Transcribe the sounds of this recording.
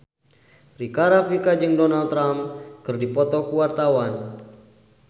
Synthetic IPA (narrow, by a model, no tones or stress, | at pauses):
rikaɾafikad͡ʒɨŋdɔnalt̪ːɾamkɨrdipɔt̪ɔkuwart̪awan